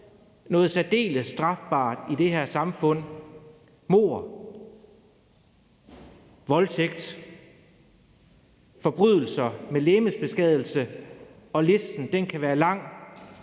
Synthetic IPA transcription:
nɔ̽ːð̩ˠsæd̥e̝̰ːləsd̥ʁɑ̈fb̥ɑ̰̈ːd̥id̥e̝hæɐsɑ̈mfɔ̽n̰ | mo̝̰ːɐ̰ | ʋɒ̽lt͡sʰeɡ̥̚d̥ | fɒ̽b̥ʁyð̞̰ˠl̩sɐmeleːməsb̥e̝sɡ̥ɛð̞̰ˠl̩sə | ɒ̽le̝sd̥n̩d̥enkʰæʋæːɐlɑ̈ŋ̰

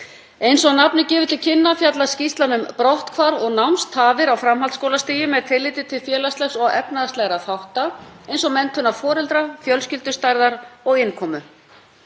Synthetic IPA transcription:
ejnsɔɣnapnɪcɛːvʏt̪ʰɪlcʰɪnːafjat̪lascist̪lanʏmpɾɔht̪kʰvaɾɔɣnawmst̪haːvɪɾawfɾamɦalt̪skowlast̪iːjɪmɛðt̪ʰɪlːɪːt̪ɪt̪ʰɪlfjɛːlast̪lɛxsɔɣɛpnaðast̪ɛɣɾaθawht̪aejnsɔmɛnt̪ʰʏnːafɔːɾɛlt̪ɾafjœlscɪlt̪ʏst̪ajɾðaɾɔɣɪnkʰɔːmʏ

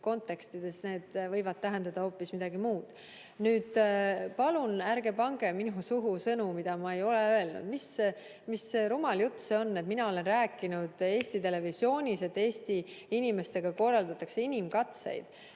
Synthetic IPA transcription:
ko̞nt̪ːˑe̞kst̪id̪̥e̞sne̞ːd̪̥vɤjvɑd̪̥̚t̪æɦend̪̥ɑd̪̥ɑho̞ːpːismid̪̥ɑɡimuːd̪̥ | nyːd̪̥pɑlunæɾɡe̞pɑŋɡ̥eminusuɦusɤnumid̪̥ɑmɑe̞jo̞leøe̞lnṵd̪̥mis | misːeɾumɑljut̪ːseo̞nːe̞t̪minɑo̞le̞nræːkːˑinud̪̥e̞ːsʲt̪it̪e̞le̞visjo̞ːnʲise̞t̪ːˑe̞ːsʲt̪i | inʲime̞st̪e̞ɡ̥ɑko̞rːɑld̪ɑt̪ːˑɑkse̞inʲimkɑt̪sḛjd̪̥

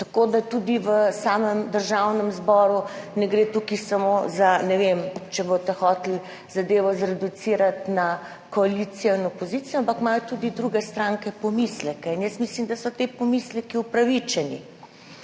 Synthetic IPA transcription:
t̪ɐkod̪at̪ud̪iʋəsaːməmd̪əɾʒawnɛmzbɔːɾunɛɡɾet̪ukisamozanɛʋemt͡ʃɛbot̪ɛxɔːt̪l | zad̪eːʋɔzɾɛd̪ut̪siːɾat̪na | kɔalit̪sijɔinɔpozit̪sijɔampakmaːjɔt̪ud̪id̪ɾuɡɛst̪ɾaŋkɛpɔmislɛkɛinjəst̪mislimd̪asɔt̪epɔmislɛkiupɾaʋit͡ʃɛnḭ

